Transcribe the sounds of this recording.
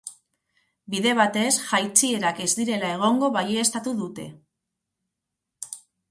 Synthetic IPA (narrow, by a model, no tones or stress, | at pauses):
biðe̞β̞at̪e̞sʝajt͡sie̞ɾake̞zd̪iɾe̞lae̞ɣ̞o̞ŋɡo̞βajeːst̪at̪uðut̪e̞̰